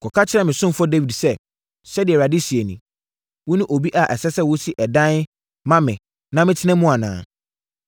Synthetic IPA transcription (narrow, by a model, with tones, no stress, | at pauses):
kʰɔ˨kʰa˦t͡ɕʰɪ˦ɾɛ˦mɪ̃˨sʊ̃˦m˦fɔ˦de˦wi˨dsɛ˦ | ɕɛ˦dɪ˨ɛ˨ɾa˨di˦si˨e˨nĩ˨ | wʊ̃˦nʊ̃˦ʔo˨bi˦ʔa˨ʔɛ˨sɛ˦sɛ˦wʊ˦si˦ʔɛ˨dã˦n˦ | mã˦mɪ̃˨ | nã˦mɪ̃˦tʰɪ˦nɛ̃˦mʊ̃˦a˨nã̰ː˨